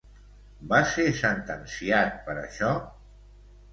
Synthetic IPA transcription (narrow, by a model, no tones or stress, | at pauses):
baseɾsənt̪ənsiat̪̚pəɾə̰ʃɔ